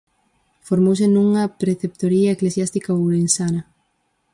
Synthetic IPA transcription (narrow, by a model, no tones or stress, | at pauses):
foɾmows̬enũŋɐpɾeθep̚t̪oɾiɐeklesjast̪ikawɾensanɐ